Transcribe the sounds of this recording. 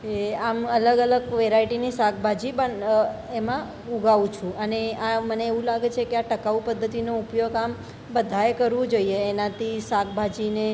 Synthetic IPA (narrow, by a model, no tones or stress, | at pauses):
eamələɡələɡʋeɾaiʈinisak̚ʰbʱad͡ʒipəɳ | emã | uɡaʋũt͡ʃʰũəneaməneːʋũlaɡet͡ʃʰekeaʈəkaupəd̪ʱːət̪inoupjoɡam | bəd̪ʱaekəɾʋũd͡ʒoieːnat̪ʰisak̚bʱad͡ʒine